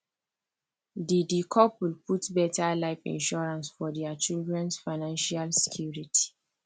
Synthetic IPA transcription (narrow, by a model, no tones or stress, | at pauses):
didikʰɔpwilpʰutbɛtalaɪfḭ̃nʃɔɹãnsfɔdɛat͡ʃildɹɛ̃nsfaɪnãnʃalsɛ̥kʰjuɹitʰi̥